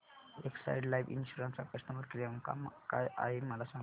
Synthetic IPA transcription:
eksa̰iɖlajʋḭnɕuɾənsapəst̪əʋəd̪̚kɾijəmka̰mkaja̰ɦeməlasãŋ

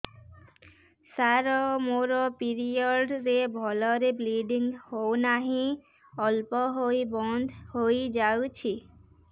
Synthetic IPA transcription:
saɾɔmoɾɔpiɾiɔɖɾebʱɔlɔɾebliɖiŋɡhownaɦĩ | ɔlpɔɦojbɔnd̪ʱhojd͡ʒawt͡ɕʰi

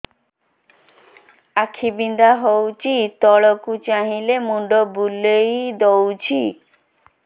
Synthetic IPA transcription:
akʰibind̪aɦowt͡ɕit̪ɔɭokut͡ɕaɦilemuɳɖobulejd̪owt͡ɕʰi

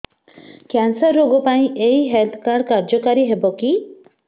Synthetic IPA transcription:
kansaɾːoɡɔpaĩʔeiɦelt̪ʰkaɾkaɾd͡ʒɔkaɾiɦebɔki

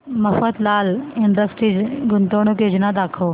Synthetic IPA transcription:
mɐfət̪laːlɪɳɖəsʈɾiɡʊnt̪oːɽ̃okeːd͡ʒnad̪aːkʰoː

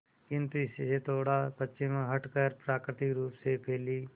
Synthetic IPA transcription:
kɪ̃nt̪uɪsset̪ʰoːɽapətːʃɪmɦəʈkəɾpɾaːkɾɪt̪ɪkɾuːpsepʰeːliː

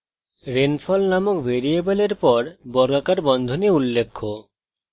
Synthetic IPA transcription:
ɾenfʰɔlnamokbʱeɾiebeleɾpɔɾbɔɾɡakaɾbɔnd̪ʱoniulːekʰːo

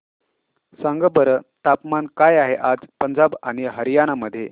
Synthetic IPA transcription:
saŋɡəbəɾət̪apmankajaɦeʔad͡zpənd͡zabaɽ̃iɦəɾijañaməd̪ʱːje

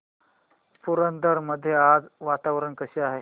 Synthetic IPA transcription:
puɾənd̪əɾməd̪ʱːjead͡zʋat̪aʋɾəɳkəɕiaɦe

